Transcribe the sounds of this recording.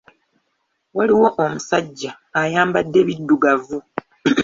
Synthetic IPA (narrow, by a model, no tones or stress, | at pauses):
waliwo̞ʔomusaɟːaː | jaːmbadːe̞βidːuɡavu